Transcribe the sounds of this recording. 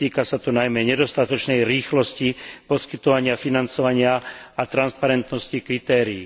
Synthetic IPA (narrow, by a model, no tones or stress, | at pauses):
t̪iːkasat̪ɔnajmɛɲɛd̪ɔst̪at̪ɔt͡ʃnɛjɾiːxlɔscipɔskit̪ɔʋaɲɪafinant͡sɔʋaɲɪaat̪ɾanspaɾɛnt̪nɔscikɾit̪ɛːɾiː